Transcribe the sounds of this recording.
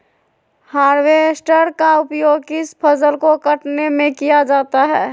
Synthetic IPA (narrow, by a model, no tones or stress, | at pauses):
haːɾwesʈəɾkaʊpjoːɡ̚kɪspʰəzəlkokəʈnemẽkijad͡ʒaːt̪aɦɛː